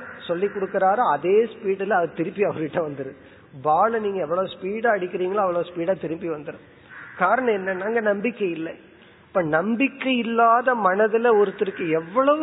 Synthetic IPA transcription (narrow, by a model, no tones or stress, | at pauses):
sɔlːikːɔɽɯkːɯɾaːɾɐɐðeːspiːɽɯlɐɐðɯt̪ɪɾɯpːiɐʋɐɾɯkɪʈːɐ̃ʋɐnd̪ɯɾɯ | baːɭɐniːŋɡɐɛʋːɐɭɐʋspiːɽaːɐɽɪkʲːɪɾiːŋɡɐlaːɐʋɐɭɐʋspiːɽaːt̪ɪɾɯpːiʋɐnd̪ɯɾɯ̃ | kaːɾɐɳɐ̃ɛnːɐnaːŋɡɐnɐmbɪkːɐɪlːɐ | pːɐːnɐmbɪkːɐɪlːaːðɐmɐnɐðɯlɐɔɾɯt̪ːɪɾɯkːɯɛʋːɐɭɐʋɯ